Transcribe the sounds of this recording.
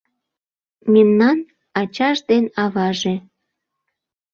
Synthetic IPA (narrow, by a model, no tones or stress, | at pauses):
memnɑn | ɑt͡ɕɑʒd̪enɑβɑʒe